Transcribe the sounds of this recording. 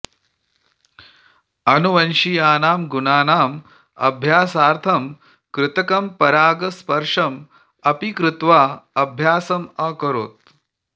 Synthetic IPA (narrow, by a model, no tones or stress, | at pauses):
ɐnuʋɐnʃijaːnaːmɡunaːnaːm | ɐ̰bʱjaːsaːɾt̪ʰɐm | kɾɪt̪ɐkɐmpɐɾaːɡɐspɐɾʂɐm | ɐpikɾɪt̪ʋaːɐbʱjaːsɐmɐkɐɾo̰ːt̪̚